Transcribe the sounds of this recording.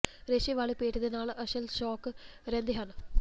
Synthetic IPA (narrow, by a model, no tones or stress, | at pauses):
ɾeɕiʋaːɭipeːʈːɐðinaːɭɨʔɐɕɐlʃoːkːɨɾend̪iɦanɨ